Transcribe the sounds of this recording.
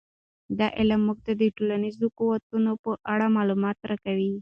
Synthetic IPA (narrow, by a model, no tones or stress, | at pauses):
d̪ɑʔɪlamːuɡ̚t̪ad̪əʈolanizokuwat̪unopəʔaɽamɑlumɑt̪ɾakawi